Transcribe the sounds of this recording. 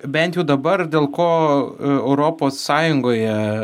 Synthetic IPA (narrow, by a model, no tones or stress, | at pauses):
bʲɛnt̪ʲjɛʊd̪ɐbɐrd̪ʲeːlˠkoːɛʊɾoːpoːsːɑːjʊŋɡoːjɛ